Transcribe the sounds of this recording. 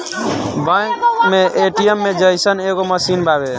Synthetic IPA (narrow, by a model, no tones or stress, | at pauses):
bãkmeʔeʈijemːed͡ʒəjsəneɣoməsinbabe